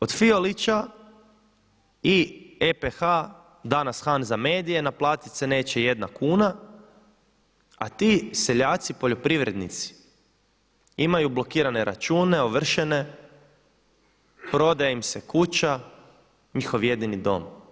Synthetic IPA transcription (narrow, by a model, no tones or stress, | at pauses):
o̞d̪fio̞lit͡ɕa | iepexa | d̪anasxanzame̞ːd̪ije̞naplˠaːt̪it̪sene̞ːt͡ɕeje̞d̪nakuːna | at̪iːse̞ʎaːt̪sipo̞ʎo̞pɾiʋɾe̞d̪nḭt̪si̥ | imajublˠo̞kiːɾane̞ɾa̰t͡ʃuːne̞oʋr̩ʃene̞ | pɾo̞d̪ajeimsekut͡ɕa | ɲixo̞ʋje̞d̪inid̪o̞̰m